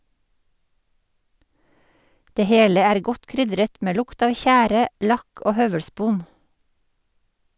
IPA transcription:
ˈdeː ˈheːlə ˈæːɾ ˈɡɔt ˈkɾʏdɾət ˈmeː ˈlʊkt ˈɑːʋ ˈçæːɾə ˈlɑk ˈoː ˈhœʋəɽˌspoːn

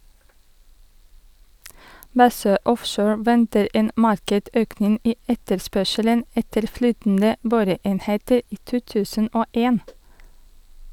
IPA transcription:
ˈbɑsøː ˈʔɔfʃoːɹ ˈʋɛntəɾ ˈeːn ˈmɑɾkɛʈ ˈøːknɪŋ ˈiː ˈɛtəɾˌspœʃələn ˈɛtəɾ ˈflyːtəndə ˈboːɾəˌeːnheːtəɾ ˈiː ˈtuː ˈtʉːsən ˈʔoː ˈeːn

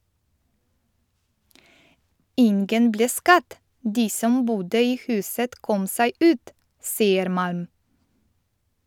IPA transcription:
ˈɪnɡən ˈbleː ˈskɑd ˈdiː ˈsɔm ˈbuːdə ˈiː ˈhʉːsət ˈkɔm ˈsæɪ ˈʉːt ˈsiːəɾ ˈmɑlm

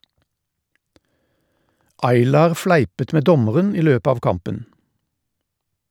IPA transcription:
ˈɑɪlɑːʁ ˈflæɪpət ˈʔmeː ˈdɔməʁən ˈiː ˈløːpə ˈɑːʋ ˈkɑmpən

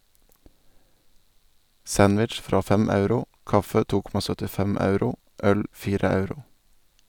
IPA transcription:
ˈsɑnʋɪtʃ ˈfɾɑː ˈfɛm ˈɑʉɾʊ ˈkɑfə ˈtuː ˈkɔmɑ sœtɪˈfɛm ˈɑʉɾʊ ˈʔœl ˈfiːɾə ˈɑʉɾʊ

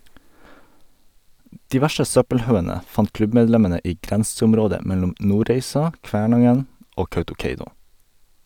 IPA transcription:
ˈdiː ˈʋæʃə ˈsœpəlˌhɑʉənə ˈfɑnt ˈklʉbmɛdˌlɛmənə ˈiː ˈɡɾɛnsʊmˌɾoːdə ˈmɛlʊm ˈnuːɾeɪsɑ ˈkʋæːɳɑŋən ˈoː ˈkɑʉtʊˌkeɪnʊ

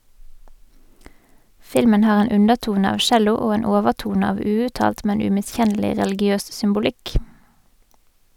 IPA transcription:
ˈfɪlmən ˈhɑːʁ ˈeːn ˈʉnəʁˌtuːnə ˈɑːʋ ˈʃɛlʊ ˈoː ˈeːn ˈoːʋəʁˌtuːnə ˈɑːʋ ˈʉːʉtˌtɑːlt ˈmɛn ˌʉmɪˈsçɛnəlɪ ʁɛlɪɡɪˈøːs sʏmbʊˈlɪk

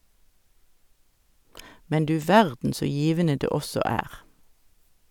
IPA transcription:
ˈmɛn ˈdʉː ˈʋæʁdn̩ ˈsoː ˈjiːʋənə ˈdeː ˈɔsɔ ˈæːʁ

